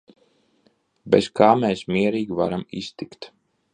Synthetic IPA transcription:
beskaːmeːsmiɛɾiːɡʲva̰ɾamḭst̪ikt̪

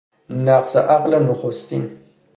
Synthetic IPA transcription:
mnaːqsɐ̰ʔaqlɐnuχʊst̪ḭn

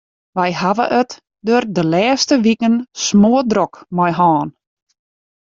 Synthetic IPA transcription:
ʋɛjhaʋə̰ʔət | dørdəlɛːstəʋikənsmoədrɔkmɔjɦɔːn

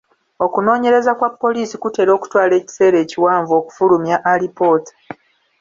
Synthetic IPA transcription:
o̞kuno̞ːɲe̞ɾe̞zakwapːo̞liːsikute̞ːɾo̞ːku̥twaːle̞ːci̥se̞ːɾe̞ːciwaːɱvo̞ːku̥fulumjaʔːlipo̞ːt

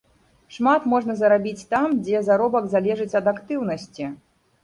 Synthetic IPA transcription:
ʂmat̪mɔʐnɐzɐɾabʲit͡sʲt̪amd͡zʲɛzaɾɔbɐɡzalʲɛʐɨt͡sʲɐd̪akt̪ɨwnɐsʲt͡sʲi

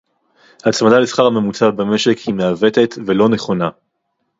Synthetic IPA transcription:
hat͡smadalesχaʁame̞mut͡sabame̞ʃe̞khimeave̞t̪e̞t̪ve̞lo̞ne̞χo̞na

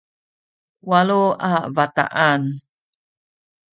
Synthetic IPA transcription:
waluavat̪a̰ʔan

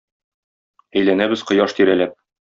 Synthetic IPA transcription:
æjlænæbɘ̆zqɤ̆jɑʃt̪iɾælæp̚

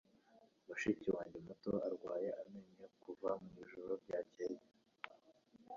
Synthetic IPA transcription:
waʃiciwaːɲɟemuto̰aɾɡwaːjeʔame̞ɲekuvamiiʒuɾoɾɟaːceje

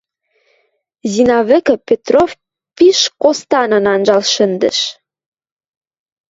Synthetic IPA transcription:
zinɑβɘ̆kə̆pet̪rof | piʃkost̪ɑnənɑnʒɑlʃə̆nd̪ə̰̆ʃ

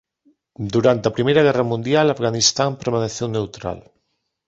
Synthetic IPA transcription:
d̪uɾant̪ɐpɾimejɾɐɣɛrɐmũnd̪jalafɣanist̪ampeɾmaneθewnewt̪ɾa̰l

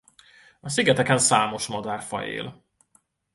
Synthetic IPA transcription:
ɒsiɡɛt̪ɛkɛnsaːmo̞ʃmɒd̪aːrfɒ̰jḛːl

